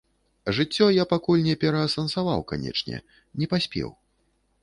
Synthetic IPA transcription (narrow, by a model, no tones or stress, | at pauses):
ʐɨt͡sʲːɔjapakulʲnʲɛpʲɛɾɐɐsɐnsava̰wka̰nʲɛ̰t͡ʂnʲɛ̰ | nʲɛpasʲpʲɛ̰w